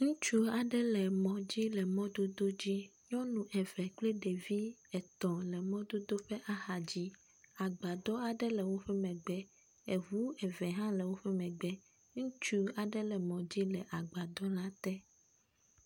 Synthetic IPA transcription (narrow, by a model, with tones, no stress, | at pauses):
ŋũ˦t͡ʃu˦a˨ɖɛ˦lɛ˨mɔ̃˨d͡ʑi˦lɛ˨mɔ̃˦d̪o˦d̪o˦d͡ʑi˦ɲɔ̃˦nũ˨ʔɛ˨vɛ˨k͡pli˦ɖe˨vi˦ɛ˨t̪ɔ̃˨lɛ˨mɔ̃˦d̪o˦d̪o˦ɸɛ˦ʔa˦xa˨d͡ʑi˦ | a˨ɡ͡ba˨d̪ɔ˦a˨ɖɛ˦lɛ˨wo˦ɸɛ˦mɛ̃˨ɡ͡bɛ˦ | ɛ˨vu˦ɛ˨vɛ˨ɦã˦lɛ˨wo˦ɸɛ˦mɛ̃˨ɡ͡bɛ˦ | ŋũ˦t͡ʃu˦a˨ɖɛ˦lɛ˨mɔ̃˨d͡ʑi˦lɛ˨ʔa˨ɡ͡ba˨d̪ɔ˦la˦t̪ɛ˦